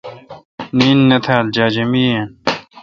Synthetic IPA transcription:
niːnːɐt̪ʰaːld͡ʑaːd͡ʑɐmiːen

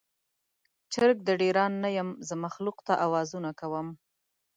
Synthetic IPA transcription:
t͡ʃəɾk̚d̪əɖeɾɑnːajəmzəmaxluqt̪aʔawɑzunakawəm

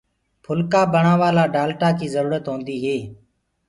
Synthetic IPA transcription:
pʰʊlkaːbəɳãːʋaːlaːɖaːlʈaːkiːzəɾuːɾət̪ɦõːnd̪iːɦeː

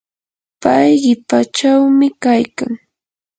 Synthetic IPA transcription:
pajɢɪpat͡ʃawmɪkajkaŋ

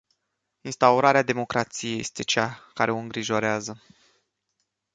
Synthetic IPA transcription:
inst̪auɾaɾead̪e̞mo̞kɾat̪sije̞je̞̰st̪e̞t͡ʃakaɾe̞o̞ɨŋɡɾiʒo̞ɾeazə

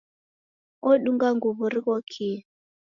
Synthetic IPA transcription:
ɔɗuŋɡaŋɡuβuɾikɔkʰi

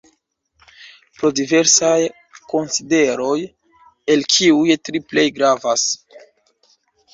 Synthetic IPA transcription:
pɾo̞dive̞ɾsaj | ko̞nside̞ɾo̞j | e̞lkʰiujtɾiple̞jɡɾavas

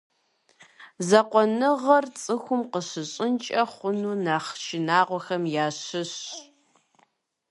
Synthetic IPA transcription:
zɐqʷɔnɨʁɐrt͡sʼɨxʷʊmqəɕɨɕʼɪnt͡ʃʼɐχʷʊnuːnaːχʃʰɪnaːʁʷɔxɐmjaːɕɨɕ

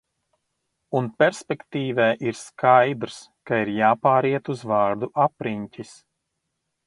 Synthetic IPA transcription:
unpʲɛɾspʲɛkt̪iːvɛːʔiɾskʰajd̪ɾskaiɾjaːpaːɾiɛt̪uzvaːɾd̪uʔapɾiɲcʲis

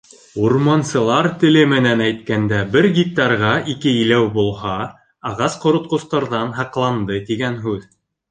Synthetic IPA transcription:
uɾmɑnsɤ̆lˠɑɾt̪ɘ̆lɘmɘ̆nænæjt̪̚kænd̪æbɘɾɡʲit̪ːɑɾʁɑʔikɘilæwbulˠhɑ | ɑʁɑsqŏɾŏt̪̚qŏst̪ɑɾðɑnɦɑqlˠɑnd̪ɤt̪iɡænɦʉð

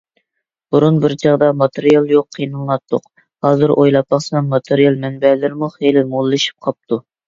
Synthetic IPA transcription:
b̥uɾunbɪɾd͡ʒʰɑʁd̪ɑmɑt̪ʰeɾijɑlˠjoqʰːijnɨlˠlˠɑt̪ʰːʊq | hɑːzɨɾʔojlˠɑp̚ːɑχsnɑnmɑt̪ʰeɾijɑlˠmɛnbɛlɪɾmuχelɪmolˠːɨʃi̥p̚qʰɑp̚t̪ʰu

